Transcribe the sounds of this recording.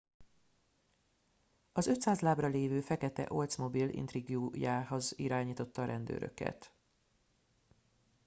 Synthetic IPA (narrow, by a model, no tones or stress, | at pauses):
ɒzø̞t̪saːzlaːbrɒleːvøːfɛkɛt̪ɛ̰ʔo̞lt̪smo̞bilḭnt̪riɡjujaːɦo̞ziɾaːɲiːt̪o̞t̪ːɒɾʔɛnd̪ø̰ːɾø̰kɛ̰t̪